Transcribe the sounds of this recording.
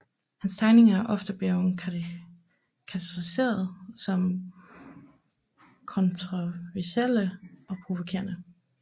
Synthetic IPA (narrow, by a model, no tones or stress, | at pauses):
hænst͡sʰɑ̈ɪne̝ŋɐæɐʔɒ̽fd̥əb̥le | kʰæt͡sʰʁise̝̰ːɐðˠsɒ̽m | kʰɒ̽nt͡sʰʁoʋæɐsel̰əʔɒ̽pʰʁo̝ʋo̝kʰe̝̰ɐnə